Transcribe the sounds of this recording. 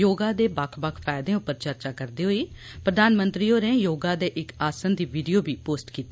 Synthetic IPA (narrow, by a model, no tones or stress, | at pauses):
joːɡaːd̪eːbakʰbakʰpʰɛːjd̪ẽːʊpːəɾt͡ʃəɾt͡ʃaːkəɾd̪iːɦoːiː | pɾəd̪aːnmənt̪ɾiːoːɾeːjoːɡaːd̪eːʔɪkaːsənd̪iːʋiɖijoːbʱiːpoːsʈkiːt̪ːeː